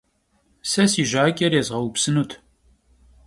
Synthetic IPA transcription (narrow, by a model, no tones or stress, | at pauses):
sɐsiʒaːkʲʼɐɾjɛzʁɐwupsɨnut̪ʰ